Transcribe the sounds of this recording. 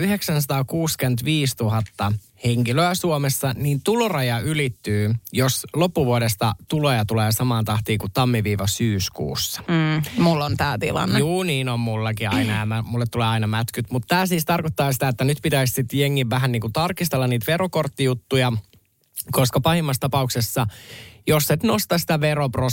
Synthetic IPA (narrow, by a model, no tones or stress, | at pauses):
yheksænsɑt̪ɑːkuːskent̪ʋiːst̪uɦɑt̪ːɑ | heŋkiløæsuomesːɑniːnt̪ulorɑjɑylit̪ːyːjoslopːuʋuoɾest̪ɑt̪ulojɑt̪uleːsɑmɑːnt̪ɑht̪iːkut̪ɑmːiʋiːʋɑsyːskṵːsːɑ̥mulːont̪æːt̪ḭlɑ̰nːejuːniːnommulːɑkiɑɑinɑjɑmæmulːet̪ːuleːɑinɑmæt̪kyt̪mut̪t̪æːsiːst̪ɑrkot̪ːɑːsi̥t̪æet̪ːænyt̪pit̪æissit̪jeŋːiʋʋæɦænniːŋkut̪ɑrkist̪elːɑniːt̪ʋeɾokort̪ːijut̪ːujɑ | ko̞skɑpɑhimːɑst̪ɑpɑuksesːɑjosːet̪nost̪ɑsi̥t̪æʋeɾopro